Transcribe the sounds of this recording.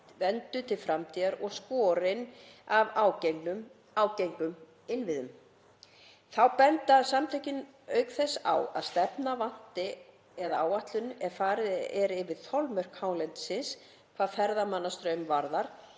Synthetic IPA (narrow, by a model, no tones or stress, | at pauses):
vɛnt̪ʏt̪ʰɪlfɾamt̪ʰiðaɾɔɣskɔːɾɪnavawnʏ | awcejŋkʏm | ɪnvɪðʏm | θawpɛnt̪asamt̪ʰɪcɪn | œːɥkθɛsːa̰wa̰ðst̪ɛpnavan̥t̪ɪ | ɛðaaːwaht̪lʏnɛðfaːɾɪðɛɾɪvɪðθʰɔlmœr̥khawnlɛnt̪sɪns | kʰvaðfɛɾðamanːast̪ɾœɥmvaɾðaɾ̥